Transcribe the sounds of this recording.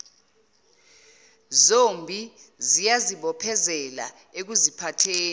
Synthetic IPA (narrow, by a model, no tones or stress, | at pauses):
zombʱizijaziɓɔpʰɛzɛla̰ | ek̬uzipʰatʰeː